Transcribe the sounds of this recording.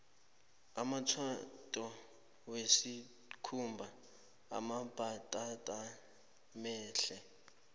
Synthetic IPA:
amat͡sʰwatʼɔ | wesi | kʰumbʱa | a̰mab̥ʱatʼatʼa | mɛːɬɛ

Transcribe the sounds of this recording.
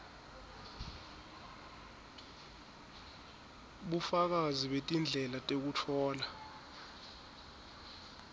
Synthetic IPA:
ɓufak̬aziɓetʼind͡ɮʱɛlatʼek̬utʰɔːla

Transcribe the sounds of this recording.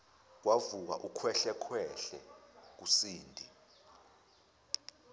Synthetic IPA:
k̬wavuk̬a̰ʔukʰwɛɬɛkʰwɛɬɛk̬usiːndʱi

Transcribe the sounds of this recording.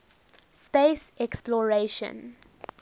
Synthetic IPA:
speːsɛksplɔɹeʃə̰̃n

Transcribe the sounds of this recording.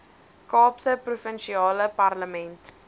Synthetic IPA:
kɑːpsəprufənʃiɑːləpɐrləmɛnt

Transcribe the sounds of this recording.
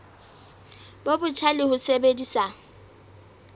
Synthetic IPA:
bobʊt͡ʃʰalɪhʊsebedisa

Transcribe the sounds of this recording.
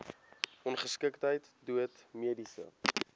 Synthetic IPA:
ɔnχəskəktɦəjtduətmiədisə̰

